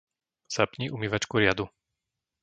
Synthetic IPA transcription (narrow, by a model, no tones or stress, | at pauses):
z̥apɲiʔumiʋat͡ʃkuɾɪad̪u